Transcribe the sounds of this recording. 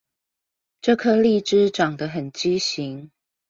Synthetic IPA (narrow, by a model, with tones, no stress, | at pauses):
ʈ͡ʂɤ˥˧kʰɤ˥˧li˥˨ʈ͡ʂɻ̩˥˦ʈ͡ʂɑ˨˩ŋd̪ə˦ɦə˨˩nt͡ɕi˥˦ɕi˨˦ŋ